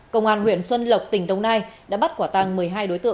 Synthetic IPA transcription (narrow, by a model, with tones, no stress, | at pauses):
kə̰˧˨wŋ͡mʔaː˧˩nhwḭ˧˩ənswə˧nlə˨˩wk͡p̚t̪ï˧˩ŋ̟ɗə˧wŋ͡mnaː˧jɗa̰ː˧˥ɓa˦˥t̚kwaː˧˩t̪a˧˩ŋmɨ˨˩əjɦaː˧jɗo˨˦jt̪ɨ̰˧˨